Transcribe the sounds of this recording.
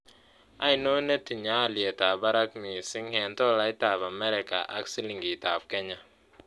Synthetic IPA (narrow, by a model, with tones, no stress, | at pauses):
a˨jno˦ne˦ti˨ɲa˦˨ljɛ˨ta˨ba˦ɾa˦kmi˨si˦ŋhɛ˨ntɔ˦la˦i˦ta˨ba˨mɛ˦ɾɛ˨ka̰˨ʔa̰˦ksi˦li˨ŋɡi˨ta˨fkɛ˦ɲa˨